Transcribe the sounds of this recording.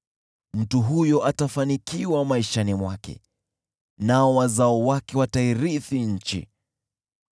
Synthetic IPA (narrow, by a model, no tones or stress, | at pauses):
m̩tuɦujɔʔatafanikʰiwamaiʃanimwakɛ̰ | naɔwazaɔwakɛwataiɾiθiɲ̩t͡ʃḭ